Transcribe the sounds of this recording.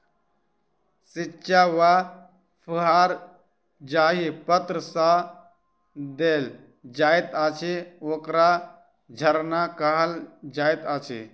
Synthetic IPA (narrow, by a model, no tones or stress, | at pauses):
sɪt͡ʃːt͡ʃʃʰaʋa | pʰəɦaːɾ | d͡ʒaːɦipət̪ɾəsa | d̪eːl | d͡ʒaːjt̪aːt͡ʃʰeoːkɾa | d͡ʒʱəɾnakəɦəld͡ʒaːit̪aːt͡ʃʰḛ